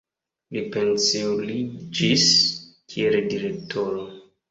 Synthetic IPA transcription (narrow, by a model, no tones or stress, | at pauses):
lipensilid͡ʒiskʰieldiɾe̞k̚tʰo̞ɾo